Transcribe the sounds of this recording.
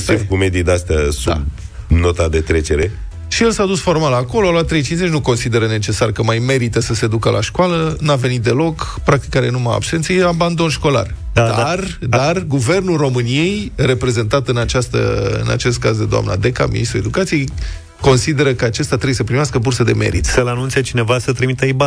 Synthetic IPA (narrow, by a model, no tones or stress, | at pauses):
ivkume̞d̪id̪east̪ʲasdua̰b | no̞t̪ad̪e̞t̪ɾet͡ʃeɾe | ʃijelsaːd̪usfo̞rmalako̞loaloat̪ːɾe̞jt͡ʃinze̞t͡ʃʲnuko̞nsid̪e̞ɾəne̞t͡ʃe̞sarkəmajme̞ɾit̪əsəse̞d̪ukəlʔa̰ʃkwalənave̞nit̪̚d̪e̞lo̞kpɾak̚t̪i̥kːaɾenumaa̰bse̞nt̪sejeaband̪o̞nʃko̞la̰rad̪dard̪arɡuve̞rnulro̞mɨnije̞jre̞pɾe̞ze̞nt̪at̪ɨnat͡ʃast̪ə̰ɨ̰na̰t͡ʃe̞st̪̚kazd̪ed̪oa̰mna̰d̪e̞ka̰mḭnist̪ɾue̞d̪ukat̪sije̞j | ko̞nsid̪e̞ɾəkəat͡ʃest̪at̪ɾebujesəpɾimaskəbursəd̪e̞̰me̞̰ɾḭt̪səlanunt̪siet͡ʃine̞vasət̪ɾimit̪əiba